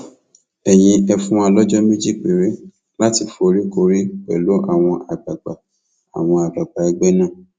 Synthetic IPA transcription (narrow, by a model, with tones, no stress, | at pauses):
ɛ˨j̃ĩ˧ɛ˧fũ˦a˧lɔ˦d͡ʒɔ˦me˦d͡ʒi˦˨k͡pe˨ɾe˦ | la˦ti˧˨fo˧ɾi˦ko˧ɾi˦k͡pɛ̰˨lo˨˦ʔa˦˨w̃ɔ̃˧a˨ɡ͡ba˨ɡ͡ba˨ | a̰˨w̃ɔ̃˧a˨ɡ͡ba˨ɡ͡ba˨ɛ˧ɡ͡bɛ˦nã˦˨